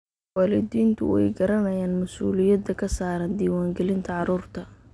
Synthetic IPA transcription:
waːlɪd̪iːnt̪ʰʊ̰wɛ̰jɡɐɾɐnɐjaːnmɐsṵːlɪjɐd̪ɐkʰɐsaːɾɐnd̪iːwaːŋɡɛlɪnt̪ʰɐʕɑɾuːrt̪ʰɐ

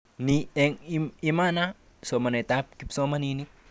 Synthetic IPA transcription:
nieŋiimana | somanet̪ap̚kipsomaninik̚

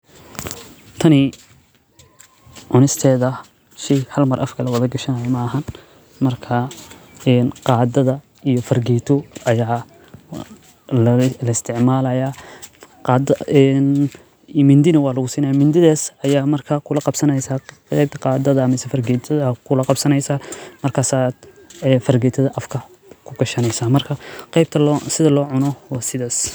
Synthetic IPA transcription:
t̪ʰɐnɪ | ʕʊnɪst̪ʰɛːðɐ | ʃijhɐlmɐrʔɐfkʰɐlɐwɐðɐɡɐʃɐnɐjɐmɐːɦɐn | mɐrkʰaɛːnqɑːd̪ɐðɐ | ijɔfɐrɡɛjt̪ʰɔɐjaː | llɐɪst̪ʰɪʕmaːlɐja | qɑːd̪ɐɛn | mɪnd̪ɪnɐwɑːlɐɣʊsiːnɐjaːmɪnd̪ɪðaːsɐjaːmɐrkʰakʰʊlɐqɑbsɐnɛjsaːqɛjb̚t̪ʰɐ̥qɑːd̪ɐðɐmɛsɛfɐrɡɛt̪ʰɐðɐkʰʊlɐqɑbsɐnɛjsaːmɐrkʰaːsaːd̪̥ | ɛːfɐrɡɛːt̪ʰɐðɐʔɐfkʰɐ | kʰʊɡɐʃɐnɛjsaːmɐrkʰɐqɛjb̚t̪ʰɐlsɪðɐlɔːʕʊnɔwɑːsɪðaːs

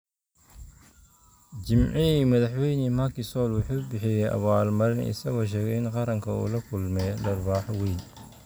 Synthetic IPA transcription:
d͡ʒɪmʕɪɛmɐðɑħwɛjnɛmɐkɪsɔlwʊħuːʊbɪħɪjɛʔɐ̰βaːlmɐɾɪnʔɪ̰sɐɣɔʃ̬ɛːɣɛɪnqɑɾɐŋkʰɐṵːlɐkʰʊlmɛjdɐrbaːħwejn

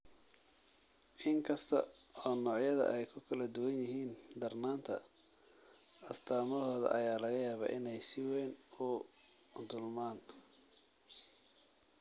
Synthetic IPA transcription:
ʔɪŋkʰɐst̪ʰɐ̰ɔːnɔːʕjɐðɐ̰ʔɛjkʰʊkʰɐlɐd̪ʊwɐnjɪɦiːnd̪ɐrnaːnt̪ʰɐ̰ | ɐst̪ʰaːmɔɦɔːðɐ̰ʔɐjaːlɐɣɐjaːβa̰ːʔɪnɛjsɪwɛːnʊ | d̪ʊlmaːn

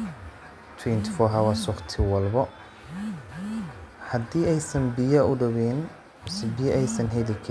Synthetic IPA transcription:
t̪ʰwɛnt̪ʰɪ̥fɔɦawɐsʊχt̪ʰɪwɐlbɔ | hɐd̪iːɛjsɐnbɪjɐʊɖɐβɛn | sɪbijɐʔɛjsɐnɦɛlɪkʰ

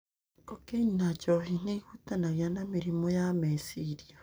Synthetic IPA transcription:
kokeɲinacohineɣutanaɣjanamiɾimojamesiɾia

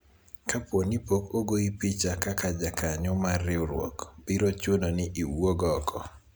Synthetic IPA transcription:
kapwonipokoɡoipit͡ʃakakad͡ʒakaɲɔmarːɪuɾwɔ̰kbiɾot͡ʃononɪʔiwoɡɔkʰɔ

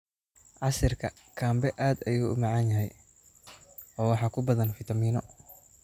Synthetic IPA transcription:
ʕɑʃɪrkʰɐ | kʰaːmbɛʔaːd̪ɐjuːʊmɑʕɑnjɐɦɛj | ɔːwɑħɑːkʰʊbɐðɐnfɪt̪ʰɐmiːnɔ

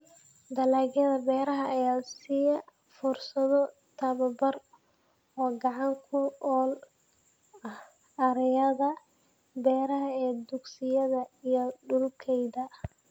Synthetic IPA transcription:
d̪ɐlaːɣjɐðɐbɛːɾɐɦɐːjaːsijɐ | fʊrsɐðɔ | t̪ʰɐβɐbɐr | ɔːɡɑʕɑŋkʰʊɔːl | ɐh | ɐɾɛjɐðɐ | bɛːɾɐɦɐɛːd̪ʊɡsɪjɐðɐijɔɖʊlkʰɛjðɐ

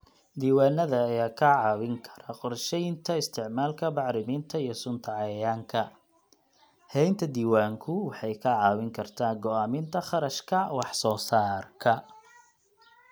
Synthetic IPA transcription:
d̪iːwaːnːɐðɐːjaːkʰɐʕɑːwɪŋkʰɐ̥ɾɐqɔrʃɛjɪnt̪ʰɐɪst̪ʰɪʕmaːlkʰɐbɑʕɾɪmint̪ʰɐijɞsʊnt̪ʰɐʕɑjaːŋkʰɐ | hɛjnt̪ʰɐd̪iːwaːŋkʰʊwɑħɑjkʰɐʕɑːwɪŋkʰɐrt̪ʰaːɡɔaːmɪnt̪ʰɐχɑɾɐʃkʰɐwɑħsɔːsaːrkʰɐ

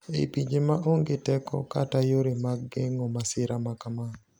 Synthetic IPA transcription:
ḛpiɲd͡ʒemaʔoŋɡɪtɛkɔ̰katajoɾemaɡːeŋɔmasɪɾamakamanɔ

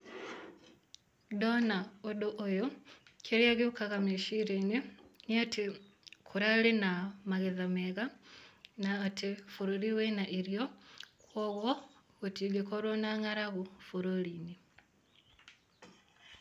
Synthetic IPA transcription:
donaodoʔojokʰeɾiaɣiukaɣameʃiɾeniniatʰi | kʰuɾalenamaɣeðameɣa | naːtʰifuɾoliwenaʔiɾjokwoɣwo | ɣutiɡekoɾonaŋaɾaɣufuɾolini

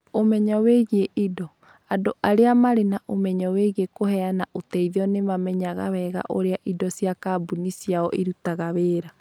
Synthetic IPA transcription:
omɛɲɔweɣieʔidɔ | adoʔaɾeamaɾenaʔomɛɲɔweɣiekohɛanaʔotɛiðɔnemamɛɲaɣa̰wɛɣa̰ʔoɾeaʔidɔsjakaːbunisiaɔʔiɾutaɣaweːɾa

